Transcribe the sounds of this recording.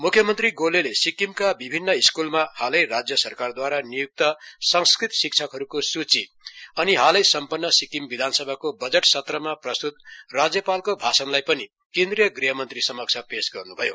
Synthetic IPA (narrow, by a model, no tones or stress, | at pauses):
mukʰjʌmʌnt̪riɡolelesikimkabibʱinːʌiskulmahalʌjrad͡zjʌsʌrkard̪waɾanijuk̚t̪ʌsʌŋskrit̪sik̚t͡sʰʌkɦʌɾukosut͡si | ʌniɦalʌjsʌmpʌnːʌsikimbid̪ʱansʌbʱakobʌd͡zeʈsʌt̪rʌmaprʌst̪ut̪̚rad͡zjʌpalkobʱasʌnlajpʌni | kend̪rijʌɡriɦʌmʌnt̪risʌmʌk̚t͡sʰapesɡʌrnubʱʌjo